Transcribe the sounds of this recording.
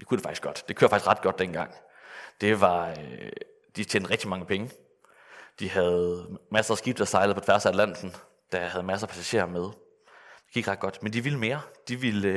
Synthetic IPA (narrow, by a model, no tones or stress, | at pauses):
jikʰud̥e̝fɑ̈ɡ̥isɡ̥ɒ̽d̥d̥e̝kʰø̰ɐfɑ̈ɡ̥i̥sɡ̥ʁɑ̈d̥̚ɡ̥ɒ̽d̥̚d̥enɡ̥ɑ̈ŋ̰ | d̥e̝ʋɑ̈ø | d̥it͡ɕʰeːnd̥̩ˠʁɛɡ̥̚d̥imɑ̈ŋəpʰeŋə | d̥ihæð̞̩ˠmæsɐːsɡ̥ib̥̚d̥ɑsɑ̈ɪl̩ˠpɒt͡sʰʋæɐsælæn̰d̥n̩ | d̥ɑhæð̞̩ˠmæsɐːpʰæsæɕe̝̰ːɐmeð̞ˠ | d̥e̝ɡ̥iɡ̥ʁɑ̈d̥ɡ̥ɒ̽d̥mend̥iʋiləme̝ːɐd̥iʋil